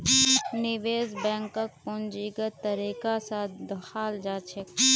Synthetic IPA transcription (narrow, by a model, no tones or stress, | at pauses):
nɪʋeːzbɛ̃ːŋkək̚pʊnd͡ʒiːɡət̪əɾiːkasaːt̪d̪əxʰaːld͡ʒaːt͡ʃʰek